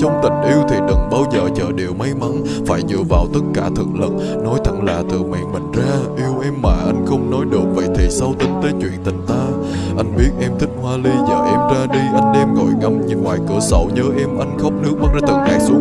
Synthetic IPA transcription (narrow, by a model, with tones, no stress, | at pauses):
t͡ɕɔ˧wŋ͡mt̪ï˨˩ŋ̟ʔi˧əwt̪ʰi˨˩ɗɨ˨˩ŋɓaː˧wzəː˨˩t͡ɕəː˨˩ɗe˨˩wma˧jma˨˦n | faː˧˩jɲɨ̰˧˨əvaː˨˩wt̪ə˦˥t̚kaː˧˩t̪ʰɨ˨˩k̚lə̰˧˨n̚ | nɔ˨˦jt̪ʰə˧˩ŋlaː˨˩t̪ɨ˨˩mɛ̰˨˧˩nmï˨˩ŋ̟zaː˧ʔi˧əwʔɛ˧mːaː˨˩ʔa˧jŋ̟xə˧wŋ͡mnɔ˨˦jɗɨ˨˩ək̚və̰˨˩jt̪ʰe˨˩sa˧wt̪ï˨˦n̟t̪əː˨˦jt͡ɕwḭ˧˨ənt̪ï˨˩ŋ̟t̪aː˧ | ʔa˧jŋ̟ɓi˦˥ət̚ʔɛ˧mt̪ʰï˦˥k̟̚hwaː˧li˧zəː˨˩ʔɛ˧mt͡ɕaː˧ɗi˧ʔa˧jŋ̟ɗɛ˧mŋo˨˩jŋa˧mɲɨ˧˦nŋwaː˨˩jkɨ˧˩əsə̰˧˩wɲəː˨˦ʔɛ˧mʔa˧jŋ̟xə˦˥wk͡p̚nɨ˦˥k̚ɓə˦˥t̚zaː˧t̪ɨ˨˩ŋʔaː˦˥k̚su˨˦ə